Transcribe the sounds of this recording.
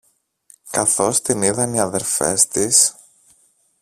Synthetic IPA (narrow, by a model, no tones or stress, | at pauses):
kɐθo̞st̪iniðɐniɐðe̞ɾlfe̞̰st̪is